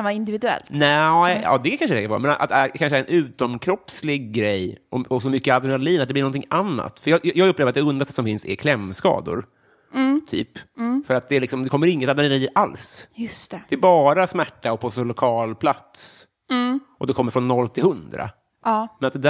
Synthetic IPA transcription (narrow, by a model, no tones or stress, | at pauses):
avɑɪnd̪ɪvɪd̪ɛ̰lt̪nɛɑ̰ːd̪ɛkʰanʂəd̪ɛkːaɾv̰ɾamɛnaa̰t̪ːæɾkʰanʂəɛæɾɛnʉ̟ːt̪ɔmkʰɾɔpslɪɡɡɾɛjʔɔɔsɔmʏkːəad̪əɳaliːnat̪d̪ɛb̪lɪnɔnt̪ʰɪŋʔanːa̰t̪fœɾjɑːjjɑːɡɵpːleːvɾat̪d̪ɛɵnd̪ast̪asɔmfɪnsɛ̰kʰlɛmːskɑ̰ːd̪ʊ̰ɾ | t̪ʰy̰ːpːfœɾat̪̚d̪ɛːɾlɪksɔmd̪ɛkʰɔmːəɾɪŋːət̪ad̪ɾnanaliːnʔalsjɵst̪ɛd̪ɛːbɑːɾasmæʈːaɔpʰɔsɔlʊkʰɑːlpʰlat̪s | ʔɔd̪ɛkʰɔmːəɾfɾɔnːɔlːt̪ʰɪlhɵnd̪ɾa̰ː | mɛnat̪d̪ɛd̪æ